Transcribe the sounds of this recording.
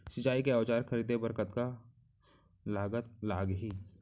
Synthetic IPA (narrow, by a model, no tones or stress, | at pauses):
sɪt͡ʃaːikeaːt͡ʃaːɾxʰəɾiːd̪ebəɾkət̪ka | laːɡət̪laːɡɦiː